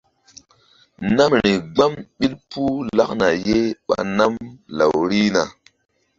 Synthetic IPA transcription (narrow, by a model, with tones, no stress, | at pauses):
na˦mɾi˨ɡ͡ba˦mɓi˦lpu˦la˦kna˨je˦ɓa̰˨na˦mla̰˨wɾi˦na˨